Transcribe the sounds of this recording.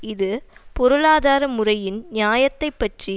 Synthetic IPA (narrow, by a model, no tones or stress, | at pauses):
ɪðɯpɔɾɯɭaːðaːɾɐmʊrɐjɪnnjaːjɐt̪ːɐɪpːɐʈri